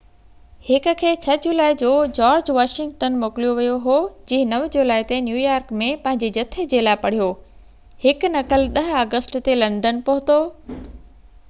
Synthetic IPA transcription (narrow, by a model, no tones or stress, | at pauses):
hɪkʊ̆kʰeːt͡ɕʰɐd͡ʑulaːid͡ʑoːd͡ʑaːɾd͡ʑʋaːʃɪ̃ŋɡʈənmoːkɪlijoʋijoɦod͡ʑiːɦɪ̃nɐʋd͡ʑulaːɪt̪enjuːjaːɾkmẽpɐ̃ɦɪ̃ɲd͡ʑed͡ʑɐt̪ʰed͡ʑeːlaːɪpɐɽ̤ijoː | hɪk̆nɐkəlɗɐɦaːɡəsʈt̪elɐ̃ɳɖənpʊɦʊt̪oː